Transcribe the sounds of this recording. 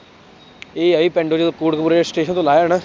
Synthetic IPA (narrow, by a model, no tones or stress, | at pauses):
eːaːiːpɛ̃ːɳɖoːd͡ʒkuːɽkəpuːɾesʈeːʃənt̪õːlaːjanaː